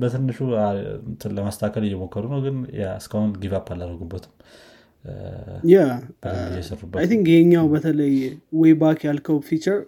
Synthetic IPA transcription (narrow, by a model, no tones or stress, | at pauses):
bət̪ʰɨnːɨʃualəmast̪ʰakʰəlɪjːɛmokʰːəɾunəwɡɨnja̰ɨskahʊnɡiβapːalːaɾəɡubːət̪ʰɨ̥m | jabədəɨjɛsərubːəajt̪iŋkjɛɲːawbət̪ʰələjwɔjbakjalkʰəwfit͡ʃəɾ